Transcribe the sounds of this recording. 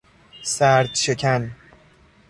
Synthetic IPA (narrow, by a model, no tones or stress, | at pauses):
sæɾd̪ʃecʰæn